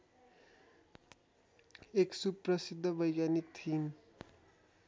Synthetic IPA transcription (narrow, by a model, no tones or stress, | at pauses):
eksubprʌsid̪ʱːʌbʌjɡjanik̚t̪ʰin